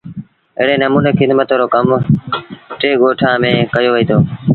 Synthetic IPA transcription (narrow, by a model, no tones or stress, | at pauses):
ɪɦɽeːnəmuːneːxɪd̪mət̪ːɾoːkəm | ʈeːɡoːʈʰaːmẽːkəjoːʋəiːt̪ʰoː